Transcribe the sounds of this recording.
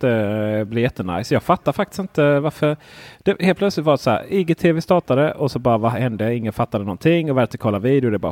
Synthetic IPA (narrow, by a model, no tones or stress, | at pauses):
əblɪɾjɛt̪ːəna̰jsjɑːɡfat̪ːaɾfak̚t̪ɪ̥st̪ɪnt̪əvaɾfœɾd̪̥ɛheːlpʰlœt̪slɪt̪vɑːdt̪sɔæ̰ːɾɪɡeːt̪ʰeːvɪst̪ɑːʈad̪əʔɔsɔbɑːɾavahɛnd̪əɪŋːənfat̪ːad̪ənɔnt̪ʰɪŋːɔvæɾt̪ɪkʰɑːlːaɾviːd̪ɪʊd̪ɛbɑ̰ːɾ